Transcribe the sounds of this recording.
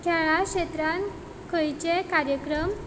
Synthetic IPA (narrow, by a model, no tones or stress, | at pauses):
kʰɛɭaɕet̪ɾan | kʰəjt͡ɕekaɾjəkɾəm